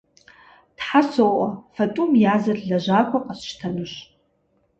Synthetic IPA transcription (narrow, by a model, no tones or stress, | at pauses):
d̥ħasowʔafatʼumjazarɮaʒʷakʷʰaqʼasʃtʰanɨʃ